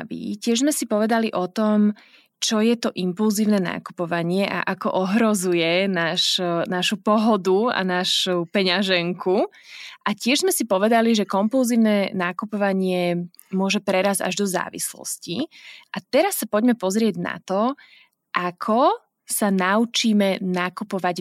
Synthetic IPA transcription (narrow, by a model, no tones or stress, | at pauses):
ʋḭcɪɛʒzmɛsipɔʋɛd̪aliʔɔt̪ɔm | t͡ʃɔjɛt̪ɔʔimpulziːʊnɛːna̰ːku̥pɔʋaɲɪɛʔa̰ʔakɔ̰ʔɔɦɾɔzujɛnaːʃnaʃupɔɦɔd̪ua̰naːʃupɛɲaʒɛŋkʰu | ʔacɪɛʒzmɛsipɔʋɛd̪aliʒɛkɔmpulziːʊnɛnaːkupɔʋaɲɪɛ | mʊɔʒɛpɾɛɾaza̰ʒd̪ɔza̰ːʋḭslɔ̰sciʔat̪ɛɾasːapɔɟmɛpɔzɾɪɛɟna̰t̪ɔ | ʔakʰɔ | sanaut͡ʃiːmɛnaːkupɔʋaɟ